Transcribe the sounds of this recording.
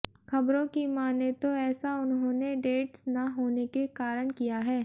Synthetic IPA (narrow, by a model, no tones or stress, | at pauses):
xɐbɾõkimaːnet̪oɛːsaʊnɦõːneɖeːʈsnɐɦoːnekekaːɾəɽ̃kijaɦɛː